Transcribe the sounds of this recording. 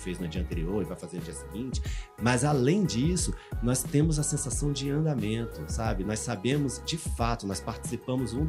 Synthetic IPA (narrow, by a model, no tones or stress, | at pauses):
fejznʊd͡ʒiɐ̃nt̪eɾioɾɪvajfazẽnʊd͡ʒiɐsiɡĩnt͡ʃɪ̥mɐzalẽj̃d͡ʒisʊnɔst̪ẽmʊzɐsẽsasɐ̃w̃d͡ʒɪɐ̃nd̪amẽnt̪ʊsabɪnɔjsabẽmʊzd͡ʒɪfat̪ʊnɔjspaɾt͡ʃɪ̥sipɐ̃mʊzũ